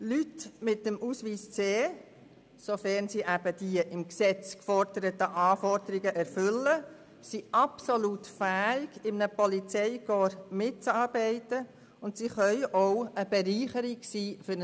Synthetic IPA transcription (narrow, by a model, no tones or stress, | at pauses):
lytmɪt̚dəmuːsʋiːst͡seː | sofɛɾnsiʔæb̥əd̥iəʔɪmksɛt͡skfɔɾdəɾət̪əʔɑːfɔɾdəɾɪɡəʔɛɾfʏlːə | siɑpsolutfæːɪɡ̥ɪmnəpɔlit͡sɛɪɡoːɾmɪt̚t͡sɑːɾbɛɪtə | ʊntsiχœʏʔoʊəb̥ɛɾiːχəɾiɡsiːfʏ